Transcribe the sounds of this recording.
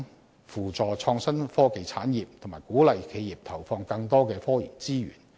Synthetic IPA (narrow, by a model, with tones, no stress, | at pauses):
fuː˨˩t͡sɔː˨t͡ʃʰɔː˧ŋsɐ˥nfɔː˥ke˨˧jt͡sʰaː˨˥njiː˨p̚t̪ʰʊ˨˩ŋmaː˨˩jkuː˨˥lɐ˨jkʰe˨˧jjiː˨˩p̚t̪ʰɐ˨˩wfɔː˧ŋkɐ˧ŋt̪ɔː˥kɛː˧fɔː˥jḭː˨˩t͡siː˥ɥy̰ː˨˩n